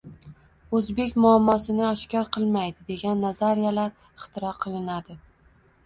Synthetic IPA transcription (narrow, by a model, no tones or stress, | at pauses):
ɵzbe̞kʲmʊamːɒsɪnɪaʃkʲɒɾqʰɨlˠmajd̪ɪd̪e̞ɡʲanːazaɾijalaɾ | ɪχt̪ʰɪɾɒqʰɨlˠɪnad̪ɪ